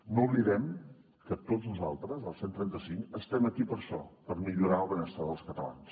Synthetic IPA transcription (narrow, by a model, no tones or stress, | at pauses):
nuβliðɛm | kət̪oznuza̰lˠt̪ɾəzəlˠsent̪ɾɛnt̪əsiŋkəst̪ɛməkipəɾʃɔ̰pəɾmiʎuɾaəlˠβənəst̪aðəlˠskət̪əla̰ns